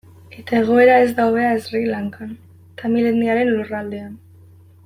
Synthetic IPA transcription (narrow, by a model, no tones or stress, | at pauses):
e̞t̪ae̞ɣ̞o̞e̞ɾae̞zd̪awβe̞aezrilaŋkan | t̪amileniaɾe̞nlurald̪e̞an